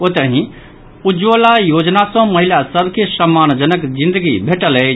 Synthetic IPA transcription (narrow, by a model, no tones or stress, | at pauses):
ot̪əɦĩ | ud͡ʒolajod͡ʒnasɔ̃məɦilasəbʱkesəmːand͡ʒənəkd͡ʒĩnd̪əɡibʱeʈələ